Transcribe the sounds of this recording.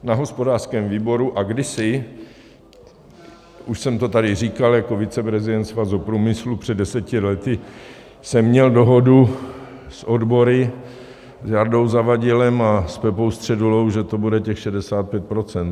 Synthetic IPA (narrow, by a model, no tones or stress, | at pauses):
naɦo̞spo̞daːr̥skɛːmviːbo̞ɾuʔaɡdɪsɪ | uʃsɛmt̪o̞t̪adɪriːkaljako̞vɪt͡sɛpɾɛzɪdɛnt̪svazopɾuːmɪslupr̝̥ɛdɛsɛcɪlɛt̪ɪ | sɛmːɲɛldo̞ɦo̞du | sʔo̞dbo̞ɾɪ | zjardo̞wzavaɟɪlɛmaspɛpo̞wst̪r̥ɛdulo̞wʒɛt̪o̞budɛcɛxʃɛdɛsaːt̪̚pjɛt̪̚pɾot͡sɛnt̪